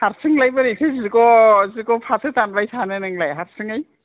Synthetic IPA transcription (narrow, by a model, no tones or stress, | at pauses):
haɾsɯŋlajbɯɾikʰɯziɡɔziɡɔpʰatʰɯtanbajtʰanɯnɯŋlajɦaɾsɯŋaj